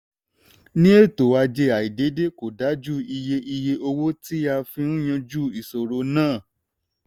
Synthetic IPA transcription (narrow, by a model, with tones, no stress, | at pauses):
nĩ˦e˦˨to˨wa˧d͡ʒe˧a˨i˨de˨˦de˦ko˨da˨˦d͡ʒu˦i˧je˧ʔi˧je˧o˧wo˦ti˦a˧fĩ˧nũ˦j̃ã˧d͡ʒu˦˨i˨so˨ɾo˨˧nãː˦˨